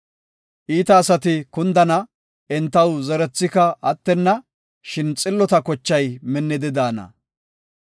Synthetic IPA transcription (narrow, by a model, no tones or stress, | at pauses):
ʔiːt̪ɐːsɐt̪ɪkʊnd̪ɐnɐ | ɛnt̪ɐwzɛɾɛt͡sːɪkɐɐt̪ːɛnːɐ | ʃɪnt͡sʼɪlːɔt̪ɐkɔt͡ʃːɐjmɛnːɪd̪ɪd̪aːnɐ̰